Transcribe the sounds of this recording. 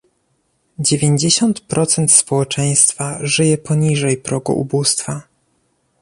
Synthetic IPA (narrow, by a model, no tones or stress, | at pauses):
d͡ʑevʲjeɲd͡ʑeɕɔnt̪pɾʔɔt̪sɛnt̪spɔwɛt͡ʂɛj̃st̪faʐɘjɛpɔɲiʐɛjpɾɔɡṵʔṵbust̪fa